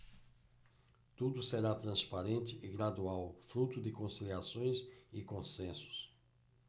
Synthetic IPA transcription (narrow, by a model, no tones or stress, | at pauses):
t̪ud̪ʊseɾat̪ɾɐ̃spaɾẽnt̪ɪɪɡɾad̪uawfɾut̪ʊd̪ɪkõsiliasõj̃sɪkõsẽsʊ̥s